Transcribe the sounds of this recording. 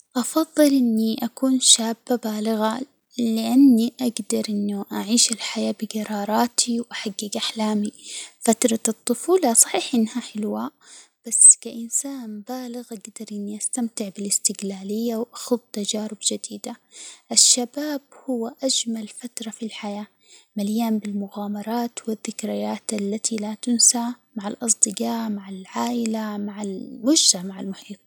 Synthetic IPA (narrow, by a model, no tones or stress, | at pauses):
ʔɑfɑðˤːɨlʔɪnːiʔakuːnʃaːbːabaːlɪɣa | lɪʔanːiʔaɡd̪ɑɾˤʔɪnːʊʔaʕiːʃɪlħajaːbɪɡɑɾˤɑːɾˤɑːt̪ʰiwʔaħaɡːɪɡʔaħlaːmifat̪ɾˤɑɨt̪ˤːʊfuːlɑsˤɑħiːħʔɪnːhaħɪlwab̥asːkaʔɪnsaːnbaːlɪɣʔaɡd̪ɑɾˤʔɪnːiʔast̪amt̪ɪʕbɪlɪst̪ɪɡlaːlɪjːawʔaxʊðˤt̪ad͡ʒaːɾɪbd͡ʒad̪iːd̪aʔɪʃːabaːb̚hʊwːaʔad͡ʒmalfat̪ɾˤɑfilħajaː | maljaːmbɪlmʊɣaːmɑɾˤɑːt̪wɪðːɪkɾɪjaːt̪ʔalːat̪ʰilat̪ʊnsamaʕalʔɑs̬ˤd̪ɨqɑːʕmaʕalʕaːʔɪlamaʕalmʊd͡ʒzamaʕalmʊħiːt̪̚ˤ